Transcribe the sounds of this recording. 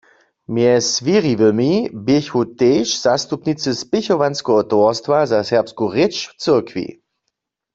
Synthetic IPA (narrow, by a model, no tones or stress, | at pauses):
mjɛsʋiʁiʋəmibɪçhuteːʃz̥ast̪upnit͡səspɪçɔʋanskɔɦɔtɔɐstvazasɛʁpskuʁɪt͡ʃft͡sɪɐkʋḭ